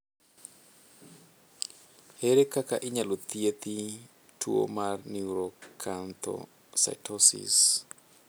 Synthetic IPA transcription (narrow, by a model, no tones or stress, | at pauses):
heɾekakaʔɪɲalot̪jet̪i | tʰuo̰marniɾokʰant̪ʰɔ̰ | sa̰tʰɔsḭs